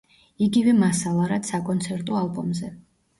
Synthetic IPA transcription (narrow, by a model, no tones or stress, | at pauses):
iɡivɛmasalˠaɾad̪sakʼɔnt̪sʰɛɾt̪ʼɔalˠbɔmzɛ